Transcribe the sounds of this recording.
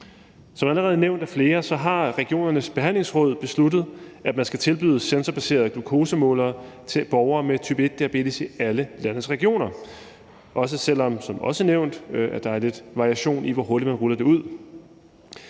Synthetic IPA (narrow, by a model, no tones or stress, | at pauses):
sɒmææləʁɛːð̞̩ˠneʊ̰nd̥æfle̝ːɐsɒ̽ɦɑ̈ʁɛɡ̥io̝̰ːnɐnəsb̥e̝ɦæn̰leŋsʁɔ̽ð̰ˠb̥e̝slud̥ð̩ˠʔæd̥mænsɡ̥æt͡sʰe̝lb̥yð̞̩ˠsensɐb̥æse̝̰ːɐðˠɡ̥lukʰo̝ːsəmɔ̰̽ːlɐː | t͡sʰe̝b̥ɒʊɐːmet͡sʰyb̥e̝d̥̚ːe̝æb̥e̝̰d̥isiæləlænəsʁɛɡ̥io̝̰ːnɐ | ʔɒ̽s̬əsel̰ɒ̽msɒ̽mɒ̽səneʊ̰nd̥æd̥ɑ̈æɐle̝d̥ʋɑ̈ʁiæɕo̝̰ːnʔiʋɒɦo̝ɐd̥i̥d̥mænʁulɐd̥e̝uð̞̰ˠ